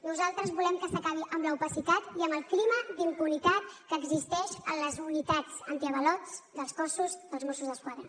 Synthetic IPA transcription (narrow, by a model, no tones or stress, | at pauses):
nuzalˠt̪ɾəzβulɛmkəsəkaβ̞iʔəmləupəsit̪at̪iəmbəlˠkliməd̪iŋkulit̪at̪̚kəːɡzist̪ɛʃə̰nləzunit̪ad͡zənt̪iəβəlɔt͡sd̪əlˠskɔsuzd̪əlˠzmɔsuzðəskwaðɾə